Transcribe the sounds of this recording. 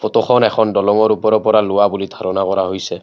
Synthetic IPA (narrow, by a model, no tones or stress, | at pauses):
pɔt̪oxʰɔnɛkʰɔndɔlɔmɔɹupɔɹɔpɔɹalʊwabulid̪ʱaɹɔnakɔɹaɦojsɛ